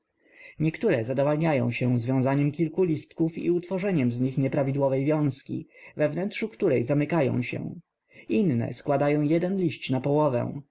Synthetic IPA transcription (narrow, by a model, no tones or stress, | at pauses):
ɲɛkt̪uɾɛzad̪ɔvalɲajɔ̰̃w̃ɕɛzvʲjɔ̃w̃zaɲɛmkʲilkulʲist̪kufḭut̪fɔʐɛɲɛmzɲixɲɛpɾavʲid̪wɔvɛjvʲjɔ̃w̃skʲḭvɛvnɛnt̪ʂukt̪uɾɛjzamɘkajɔ̰̃w̃ɕɛ̰̃ | inːɛ̰skwad̪ajɔ̃w̃jɛd̪ɛnlʲiɕt͡ɕnapɔwɔvɛ̰̃w̃